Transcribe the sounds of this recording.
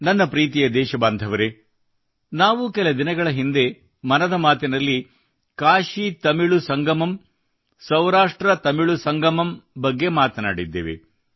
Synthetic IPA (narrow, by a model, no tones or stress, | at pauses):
nɐnːɐpɾiːt̪̬ijɐd̪ɛːʃɐbaːnd̪ʱɐʋɐɾe | naːʋukɛlɐd̪inɐɡɐɭɐɦind̪e̞ | mɐnɐd̪ɐmaːt̪inɐlːi | kaːʃit̪ɐmiɭusɐŋɡɐmɐm | sɐwɾaːʂʈɾɐt̪ɐmiɭusɐŋɡɐmɐmbɐɡːe̞maːt̪ɐnaːɽid̪ːḛːʋḛ